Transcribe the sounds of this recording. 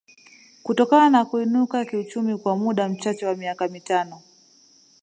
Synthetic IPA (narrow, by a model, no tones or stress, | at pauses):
kutɔkananakuinukakiut͡ʃumikwamuɗam̩t͡ʃat͡ʃɛwamiakamitanɔ